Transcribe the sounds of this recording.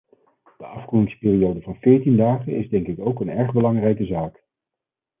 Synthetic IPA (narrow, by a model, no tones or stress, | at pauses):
d̥əɑfχujɪŋspɪːriowdəvɑnvɪːɹtindaːχənʔɪzdɛŋkɪkowkənɛɹχbəlɑŋrɛjkəzaːk